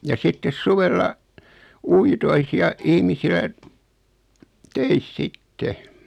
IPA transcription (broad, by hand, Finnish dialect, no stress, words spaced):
jɑ sitːes suʋelːɑ uitois jɑ ihmisilæ tøis sitːe